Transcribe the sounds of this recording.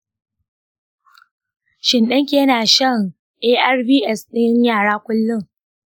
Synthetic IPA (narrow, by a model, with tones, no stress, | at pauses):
ʃɪ˨nɗɐ˦ŋk̬ʲeː˦naː˨ʃɐ˦˨ŋ | ʔeː˦ʔɛ˦rbiː˦ʔɛ˦sɗɪ˦ɲjaː˦˨ɽaː˦kʷʊ˦lːʊ˦˨ŋ